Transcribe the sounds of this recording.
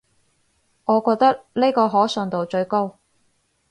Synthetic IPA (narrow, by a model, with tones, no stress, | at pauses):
ŋɔː˨˧kɔː˧k̚t̪ɐ˥k̚ne˥kɔː˧ɦɔː˨˥sɵː˨˩ŋt̪o˨wt͡ʃɵ˧ɥko˥w